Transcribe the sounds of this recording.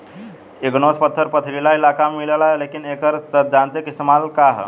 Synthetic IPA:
eɡnospət̪ʰːəɾpət̪ʰɾilailakamillalekinekəɾsəd̪̚d͡ʒant̪ikist̪emalkaɦ

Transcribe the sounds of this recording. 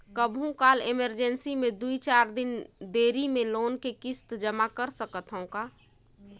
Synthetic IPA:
kəbʱɦũkaːlɪməɾd͡ʒənsimẽd̪uit͡ʃaːɾd̪ɪnd̪eːɾimẽloːnkekɪst̪d͡ʒəmakəɾsəkət̪ɦõkaː

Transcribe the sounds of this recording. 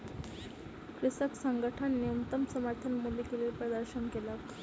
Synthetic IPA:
kɾisəksaŋɡəʈʰanːiunt̪əmsəməɾt̪ʰənmulikeleːlpɾəd̪əɾɕənkelak

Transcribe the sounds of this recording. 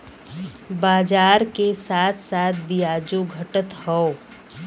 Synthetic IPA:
baːd͡ʒaːɾkesaːt̪ʰsaːt̪̚ʰbijaːd͡ʒoɡʱɐʈət̪hɔo

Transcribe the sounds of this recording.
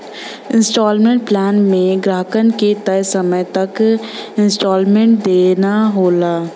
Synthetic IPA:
ɪ̃nsʈɔːlmẽːɳʈ̚plɛːnmẽɡɾaːkənket̪ɐjsəməjt̪ɐkɪ̃nsʈɔːlmẽʈ̚d̪eːnaɦoːlaː

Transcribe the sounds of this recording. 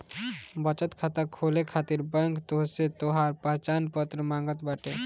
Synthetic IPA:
bət͡ʃət̪kʰat̪əkʰolekʰat̪iɾbəŋkt̪oɦset̪oɦaɾpəɦt͡ʃanpət̪ɾəmaːŋɡət̪baʈe

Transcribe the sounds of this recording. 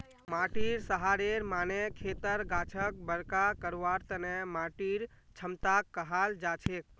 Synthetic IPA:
maːʈiɾsəɦaːɾeɾmaːnekʰeːt̪əɾɡaːt͡ʃʰək̚bəɾkakəɾʋaɾt̪ənemaːʈiɾ | t͡ʃʰəmt̪akːəɦald͡ʒat͡ʃʰek

